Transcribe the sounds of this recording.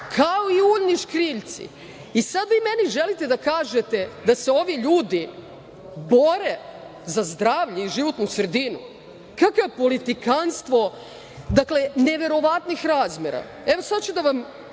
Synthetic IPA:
kʰao̞iuʎniʃkɾiːʎt̪sḭ | isad̪ʋimeniʒelit̪e̞d̪akaːʒe̞t̪e̞d̪aseo̞ʋiʎuːd̪i | bo̞ɾe | zazd̪ɾaːʋʎeiʒiʋo̞t̪nusr̩d̪inu | kakopolit̪ikanst̪ʋo̞ | d̪akle̞neʋe̞ɾo̞ʋat̪nixɾaːzmʲjeɾa̰ | eʋosad̪t͡ɕud̪aʋam

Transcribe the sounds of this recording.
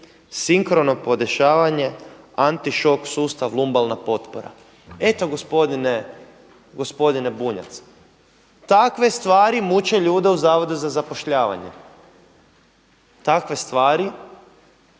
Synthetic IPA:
siŋkɾono̞po̞d̪e̞ʃaːʋaɲe̞ | ant̪iʃo̞ksuːst̪aʋlˠumbalˠnapo̞t̪poɾa̰ | e̞t̪o̞ɡospod̪ine | ɡo̞spo̞d̪ine̞buɲa̰t̪s | t̪akʋe̞st̪ʋaːɾimut͡ʃe̞ʎuːd̪e̞uzaːʋo̞d̪uzazapo̞ʃʎaːʋa̰ɲḛ | t̪akʋe̞st̪ʋaːɾi

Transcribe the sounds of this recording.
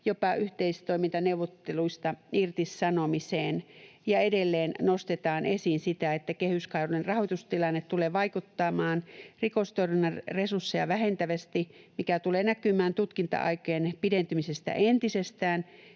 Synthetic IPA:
jopɑʔyht̪eist̪oimint̪ɑneuʋːot̪ːeluist̪ɑirt̪issɑnomiseːnjɑedelːeːnnost̪et̪ɑːnʔesinsit̪æet̪ːækehyskɑionerrɑhot̪ust̪ilɑnːet̪t̪uleːʋɑikut̪ːɑːmɑːnrikost̪oirinːɑresursːejɑʋæhent̪æʋæst̪imikæt̪uleːnækymæːnt̪ut̪kint̪ɑ̰ʔɑ̰ikeenpident̪ymisest̪æ̰ʔent̪isest̪æːn

